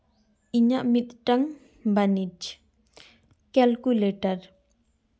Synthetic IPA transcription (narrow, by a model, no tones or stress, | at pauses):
ʔiɲaʔmit̪̚ʈaŋ | banit͡ʃ | kɛlkuleʈar